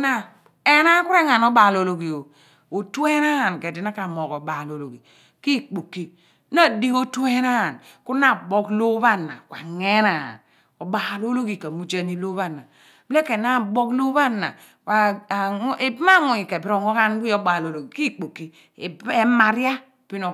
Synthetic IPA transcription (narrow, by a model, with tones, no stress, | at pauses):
na˦ | e˦na˦ku˦ɾe˦ŋa˨nɔ˦ba˨lo˨lo˨ɡi˨o˨ | o˨tu˦e˦na˦a˨nke˨di˨˦na˦ka˨mo˨kɔ˨ba˨lo˨lo˨ɡi˨ | ki˦k͡po˨kːi˦ | na˦di˦o˦tu˦e˦na˦a˨nku˦na˦˨bo˦klo˦ba˦˨na̰˨kwa̰˨ŋe˦na̰˨n | o˨ba˨lo˦lo˦ɡi˨ka˨mu˦d͡ʒa˦ni˦lo˦βa˦˨na˨ | ble˦ke˨na˦˨bo˦klo˦ba˦nːa̰˨ | kʷa˨˦ | i˨bma˦ŋu˨i˨ke˨bi˦ɾo˨ŋɔ˦ka˦n˦ɡi˦o˦ba˨lo˨lo˨ɡi˨ki˦k͡po˨kːi˨ | e˦ma˨ɾja˦ | pi˦no˨